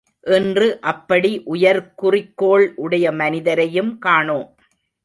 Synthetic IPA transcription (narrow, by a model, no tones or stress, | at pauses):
ʔɛndrɯʔɐpːɐɽiʔʊjɐɾkʊrɪkːoːɭʔʊɽɐjɐmɐnɪðɐɾɐjɯmkaːɳoː